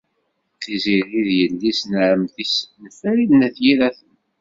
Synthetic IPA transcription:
θiziɾiðjəlːisnʕəmθisənəfæɾiðnæθjiɾæθən

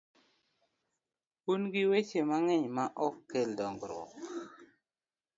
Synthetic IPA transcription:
unɡiwet͡ʃemaŋɛɲmaʔɔkːeldɔŋɡɾwɔ̰k

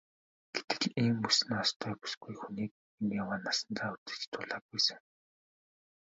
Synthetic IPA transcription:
ɡ̥et̪ɘ̥̆ɮiːmpusɘ̆nɔst̪ʰœːpu̥sɡujxuniːk̚ | injawaːnːasə̆nt͡s̪aːut̪ɘ̥̆t͡ɕt̪ʰʊɮaːk̚pujsɘ̆ŋ

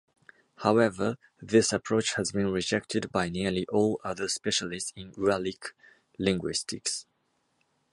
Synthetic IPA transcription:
haʊɛvə | ðɪsəpʰɹ̥oʊt͡ʃhəzbĩnɹɪd͡ʒɛk̚tʰɨdbaɪnɪəliʔɔlˠʌðəspɛʃəlɪstsɪ̃nɹalɪk | lɪ̃ŋɡwɪstʰɪks

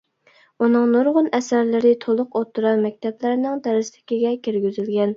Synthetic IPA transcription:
unɨŋnoɾʁʊnɛsæɾlɪɾɪt̪ʰolˠʊqot̪ʰːuɾɑnmɛk̚ʲt̪ʰɛplæɾnɪŋd̪ɛɾɪst̪ʰɪ̥kʲiɡʲɛkʲiɾɡʲyzɪlɡʲɛn

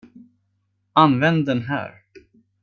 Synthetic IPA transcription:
anvɛnd̪ɛnɦæ̰ːɾ

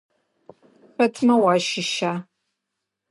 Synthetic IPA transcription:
ɸɐtʰmɐwaʃɪʃa

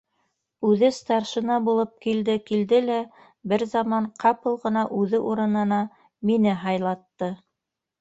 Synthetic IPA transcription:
ʉðɘst̪ɑɾʃɤ̆nɑbulˠɤp̚kild̪ɘkild̪ɘlæ | bɘɾzɑmɑɴqʰɑpɤlˠʁɤ̆nɑʔʉðɘʔuɾɤ̆nɤ̆nɑ | minɘɦɑjlˠɑt̪ːɤ

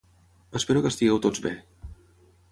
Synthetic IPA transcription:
əspeɾukəst̪iɣɛwt̪od͡zβe

